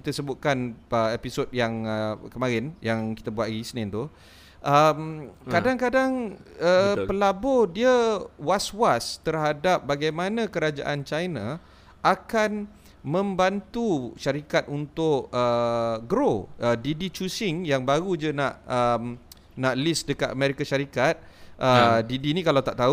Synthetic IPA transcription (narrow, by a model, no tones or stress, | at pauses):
kit̪asəbʊt̪̚kanəepisot̚jaŋəkəmãɾɪnjaŋki̥t̪abuat̪isnɛ̃nt̪u | ʔəmkadaŋkadaŋəpəlabɔdiəwaswast̪ərɦadap̚baɡajmanãkəɾad͡ʒa̰ʔant͡ʃajna | ʔakan | mə̃mbant̪uʃaɾikat̪̚unt̪ʊʔəɡɾoədidit͡ʃusɪŋjaŋbaɾud͡ʒənaʔəm | naʔlisdəkat̪amɛɾikaʃaɾikat̪̚ʔədidinĩkalawt̪aʔt̪a